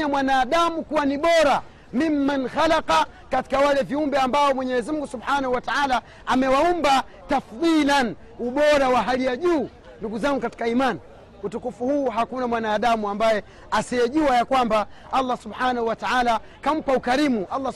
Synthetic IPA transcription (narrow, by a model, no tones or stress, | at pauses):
amwanaːɗamukuwaniɓɔɾa | mimːanxalaqa | kati̥kawalɛviumbɛambaɔmwɛɲɛɛzimuŋɡusubħanahuwataʕaːlaː | mɛwaumba | tafðilan | uɓɔɾawaɦalijaʄuː | nduɡuzaŋɡukati̥kaiman | utukufuhuːɦakunamwanaːɗamuambajɛ | asijɛʄuwajakwambaalːasubħaːnahuwataʕala | kam̩paukaɾimuʔalːa